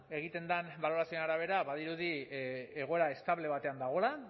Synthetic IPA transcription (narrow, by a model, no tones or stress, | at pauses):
e̞ɣ̞it̪e̞nd̪anbalo̞ɾasionaɾaβ̞e̞ɾaβaðiɾuðieɣ̞o̞e̞ɾae̞st̪aβle̞β̞at̪e̞and̪aɣ̞o̞la